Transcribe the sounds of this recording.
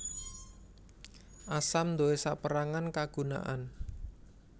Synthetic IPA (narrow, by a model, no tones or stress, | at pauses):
ʔasamnd̪owesaʔpəɾaŋankaɡ̥ṳna̰ʔan